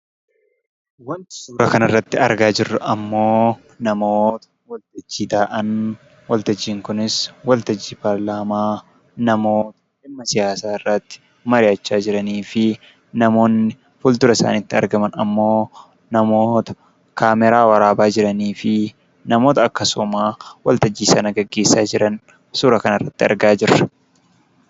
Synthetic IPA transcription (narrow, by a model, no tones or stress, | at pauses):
wɐnt̪ɪ̥suːɾɐkɐnɐrːɐt̪ːɪɐɾɡaːd͡ʒɪrːɐʔɐmːo̞ː | nɐmo̞ːt̪ɐ̥ | wɐlt̪ɐd͡ʒːiːd̪aːʔɐn | wɐlt̪ɐd͡ʒːiːŋkʊnɪswɐlt̪ɐd͡ʒːiːpaɾlaːmaː | nɐmo̞ːt̪ɐ̥ | ɪmːɐsɪjaːsaːɪrːɐt̪ːɪ̥ | mɐɾɪɐt͡ʃːaːd͡ʒɪɾɐniːfɪ | nɐmo̞ːnːɪ | fʊlt̪ʊɾɐɪsa̰ːnɪt̪ːɪɐ̰ɾɡɐmɐnɐ̰mːo̞ː | nɐmo̞ːt̪ɐ̥ | kaːmɛɾaːwɐɾaːbaːd͡ʒɪɾɐniːfɪ | nɐmo̞ːt̪ɐɐkːɐsʊmaːwɐlt̪ɐd͡ʒːiːsɐnɐɡɐɡːe̞ːsːaːd͡ʒɪɾɐn | suːɾɐkɐnɐrːɐt̪ːɪɐ̰ɾɡaːd͡ʒɪɾːɐ